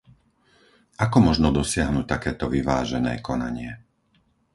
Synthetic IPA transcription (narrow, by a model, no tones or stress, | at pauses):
akɔmɔʒnɔd̪ɔsɪaɦnuːc̚t̪akɛːt̪ɔʋiʋa̰ːʒɛnɛ̰ːkɔna̰ɲɪɛ